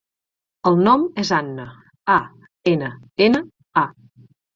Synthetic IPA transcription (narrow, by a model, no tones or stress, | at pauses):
əlˠnɔmezanːə | a | enəenə | a